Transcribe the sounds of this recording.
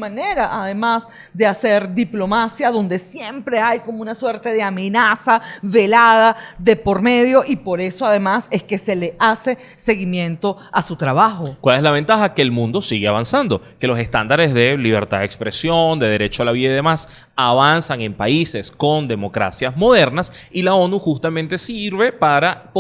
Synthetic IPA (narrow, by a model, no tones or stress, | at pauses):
mane̞ɾaʔaðe̞mas | d̪e̞ase̞ɾd̪iplo̞masjaðo̞nd̪e̞sje̞mpɾe̞ajko̞mounaswe̞ɾt̪e̞ðeame̞nasaβe̞laðaðe̞po̞ɾme̞ðjo̞ʔipo̞ɾe̞so̞aðe̞mase̞ske̞se̞le̞ase̞ | se̞ɣimjẽ̞nt̪o̞ | asut̪ɾaβaxokwale̞slaβ̞e̞nt̪axakeːlmũnd̪o̞siɣeaβansand̪o̞ke̞lo̞se̞st̪and̪aɾe̞zðe̞liβ̞e̞̰ɾt̪aðekspɾe̞sjo̞nd̪e̞ðe̞ɾe̞t͡ʃoalaβiðaiðe̞mas | aβansaŋe̞mpaise̞sko̞nd̪e̞mo̞kɾa̰sjazmo̞ðe̞ɾnasilao̞nuxust̪amẽnt̪e̞siɾβepaɾap